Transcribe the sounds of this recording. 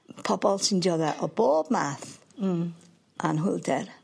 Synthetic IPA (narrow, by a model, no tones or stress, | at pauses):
pʰɔbɔlˠsɪndjɔðɛʔɔboːb̥̚maːθ | ʔanɦʊlˠdɛr